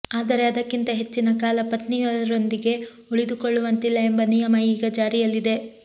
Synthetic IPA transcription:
aːd̪ɐɾe̞ɐd̪ɐkːint̪ɐɦe̞t͡ʃːinɐkaːlɐpɐt̪nijɐlɐɾo̞nd̪iɡe̞ | uɭid̪ukoɭːuʋɐnt̪ilːɐe̞mbɐnijɐmɐiːɡɐd͡ʒaːɾijɐlːid̪e̞

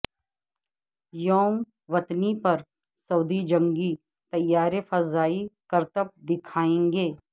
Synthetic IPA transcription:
joːm | ʋɐt̪nipɐɾ | sɐːd̪id͡ʒə̃ŋɡi | t̪ɐjːaːɾefɐzaːikɐɾt̪əp̚d̪ɪkʰaːẽːŋɡeː

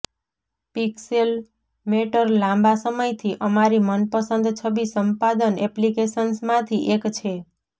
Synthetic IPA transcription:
piksel | meʈəɾlãmbasəməjt̪ʰiʔəmaɾimənpəsənd̪t͡ʃʰəbisəmpad̪ənɛplikesənsmãt̪ʰiʔekt͡ʃʰe

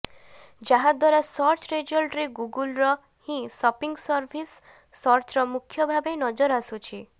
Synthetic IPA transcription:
d͡ʒaɦãd̪waɾasɔɾt͡ʃɾed͡ʒɔlʈɾeɡuɡulɾɔ | hĩsɔpiŋɡsɔɾbʱisː | ɔɾt͡ʃɾɔmukʰːjɔbʱabenɔd͡ʒɔɾasut͡ʃʰi

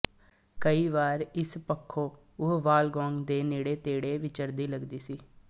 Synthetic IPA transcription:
kəiːʋaːɾɪspəkʰːoː | ʊɦʋaːlɡɔːŋɡd̪eːneːɽeːt̪eːɽeːʋɪt͡ʃəɾd̪iːləɡd̪iːsiː

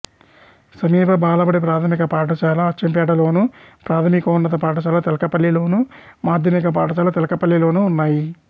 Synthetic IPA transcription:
sɐmiːpɐbʱaːlɐpɐɽepɾaːt̪ʰɐmikɐpaːʈ̬ɐt͡ʃaːlɐɐt͡ʃɐmpɛːʈɐlo̞ːnupɾaːt̪ʰɐmikɐnːɐt̪̬ɐpaːʈ̬ɐt͡ʃaːlɐt̪ɛlɐkɐpɐlːilo̞ːnumaːd̪ʱjɐmikɐp̬aːʈɐt͡ʃaːlɐt̪ɛlɐkɐpɐlːjɐlo̞ːnuːnːaːji

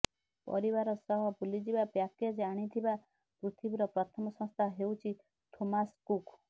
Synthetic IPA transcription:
pɔ̰ɾiβaɾɔsɔɦɔbulid͡ʒibapjaked͡ʒaɽ̃it̪ʰiba | pɾut̪ʰibiɾɔpɾɔt̪ʰɔmɔsɔ̃st̪ʰaɦewt͡ʃʰi | t̪ʰomaskuk

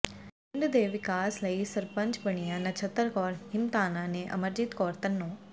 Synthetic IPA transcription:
ɪɳɖd̪eːʋɪkaːsləisɐɾpə̃ɲt͡ʃbəɽ̃ijãnɐt͡ʃʰət̪ːəɾkɔːɾhɪmt̪aːnãːnẽʔɐ̰məɾd͡ʒɪt̪kɔːɾt̪ənːõː

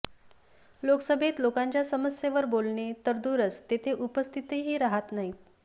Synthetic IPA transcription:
loksəbʱet̪lokãɲt͡ɕjasəməsjeʋəɾbolɳet̪əɾd̪uɾət͡st̪et̪ʰeʔupəst̪ʰit̪eɦiːɾaɦat̪naɦi

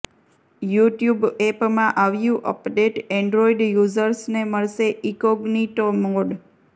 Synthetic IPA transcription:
juʈjubepmãʔaʋjũʔə̰pɖeʈeɳɖɾoiɖjuzəɾsneməɭʃeʔikoɡniʈomoɖ

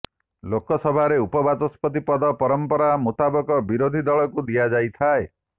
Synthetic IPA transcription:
lokɔsɔbʱaɾeupɔbat̪ɔspɔt̪̬ipɔd̪ɔpɔɾɔmpɔɾamut̪abɔkɔbiɾod̪ʱid̪ɔɭɔkud̪iad͡ʒajt̪ʰae

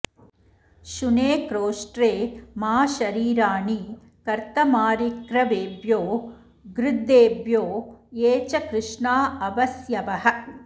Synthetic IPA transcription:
ʃuneːkɾoːʂʈɾeːmaːʃɐɾiːɾaːɳi | kɐɾt̪ɐmaːɾikɾɐʋeːbjoː | ɡɾɪd̪ːeːbjoːeːt͡ʃɐkɾɪʂɳaːɐʋɐsjɐʋɐɦɐ̆

